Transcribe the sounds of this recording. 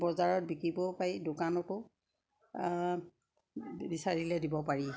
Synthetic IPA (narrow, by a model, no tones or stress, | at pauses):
bɔzaɹɔt̚bikibɔpaidokanɔtʊ | bisaɹilɛdibɔpaɹi